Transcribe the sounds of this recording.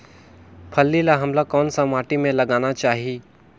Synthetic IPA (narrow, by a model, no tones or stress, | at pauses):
pʰəlːilaɦɐmlakɔːnsamaːʈimẽlɐɡaːnat͡ʃaːɦieː